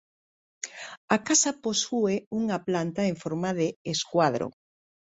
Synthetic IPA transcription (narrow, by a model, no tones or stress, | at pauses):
akasaposueuŋaplant̪aeɱfoɾmaðeːskwaðɾo̰